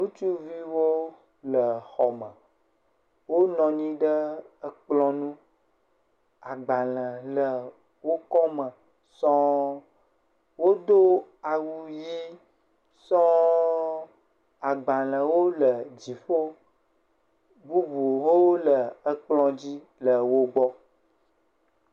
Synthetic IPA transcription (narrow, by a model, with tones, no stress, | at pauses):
nũ˦t͡ʃu˦vi˦wo˦ | lə˨xɔ˨mə̃˨ | wo˦nɔ̃˨ɲĩ˦ɖə˦ə˦k͡plɔ̃˦nũ˦ | a˨ɡ͡ba˨lə̃˨lə˨ | wo˦kɔ˦mə̃˨ | sɔ̃˦ | wo˦d̪o˦a˨wu˦ji˦ | sɔ̃˦ | a˨ɡ͡ba˨lə̃˨wo˦lə˨d͡ʑi˨fo˦ | bu˦bu˨wo˦lə˨ə˦k͡plɔ̃˦d͡ʑi˦ | lə˨wo˦ɡ͡bɔ˦